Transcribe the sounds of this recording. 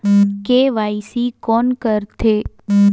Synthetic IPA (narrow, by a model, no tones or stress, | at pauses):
keʋaisikɔnkəɾt̪ʰe